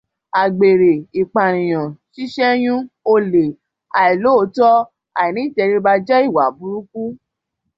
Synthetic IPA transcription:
a˨ɡ͡be˨ɾe˨i˨k͡pa˨ɾ̃ĩ˨j̃ɔ̃˨ʃi˦ʃɛ˦j̃ũ˦o˧le˨ | a˨ɛ˨lo˦˧˦tɔ˦ | a˨i˨nĩ˦i˦˨tɛ˧ɾi˧ba˧d͡ʒɛ˦i˦˨wa˨bu˧˦ɾu˦ku˦

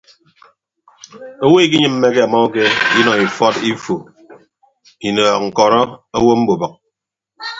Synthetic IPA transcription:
o˦wo˦i˦k̬i˦ɲɨ˦m̩ː˦me˦ke˦a˨mɔ˦o˦ke˦i˦nɔ˨ŋi˨fɔ˦ti˦fo˨ | i˨nɔː˨k̚ŋ̩˨kɔ˨ɾɔ˦a˦wo˦m̩˦bo˨bʌ˨k̚

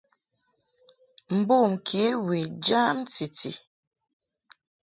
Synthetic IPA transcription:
m̩˨bo˦˨m̩˨kʰe˨˦we˨d͡ʒa˦mti˨tḭ˨

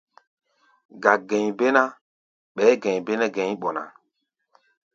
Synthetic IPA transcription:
ɡa˨ɡɛ˨ɲbe˦na˦ | ɓɛ˨˦ɡɛ̃˨ɲbe˦nɛ˦ɡɛ̃˨˦ɓɔ˨na̰˨

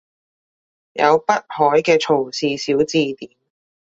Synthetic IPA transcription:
jɐ̰˨˧wpɐ˥t̚hɔː˨˥jkɛː˧t͡ʃʰo˨˩wsiː˨˧siː˨˥wt͡siː˧t̪iː˨˥m

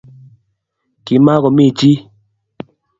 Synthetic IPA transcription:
ki˨ma˦ɣɔ˨mi˦˨t͡ʃi˦

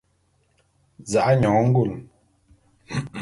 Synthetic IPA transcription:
za˨ʔa˦ɲɔ˨˦ŋ̩˦ɡu˦˨l

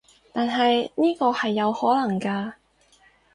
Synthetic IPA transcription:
t̪aː˨nɦɐ˨jniː˥kɔː˧hɐ˨jːɐ˨˧whɔː˨˥lɐ˨˩ŋkaː˧

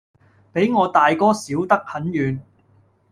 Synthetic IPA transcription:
pe˨˥jŋɔː˨˧t̪aː˨jkɔː˥siː˨˥wt̪ɐ˥k̚hɐ˨˥njyː˨˧n

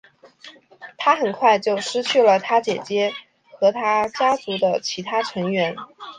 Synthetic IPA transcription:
t̪ʰa˥xə˨˩nkʰwa˥˧ɪt͡ɕjo˥˩ʊʂɻ̩˥t͡ɕʰy˥˩lə˩t̪ʰa˥t͡ɕjɛ˨˩t͡ɕjɛ˥ | xɤ˧˥t̪ʰa˥t͡ɕja˥t͡su˧˥d̪ə˧t͡ɕʰi˧˥t̪ʰa˥ʈ͡ʂʰɤ˧˥ŋɥɛ˧˥n

